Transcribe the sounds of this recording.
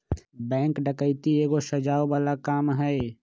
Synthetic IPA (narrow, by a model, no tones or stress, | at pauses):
bɛ̃ːŋkɖəkəɪt̪ieːɡosəd͡ʒaːobaːlakaːmɦɛː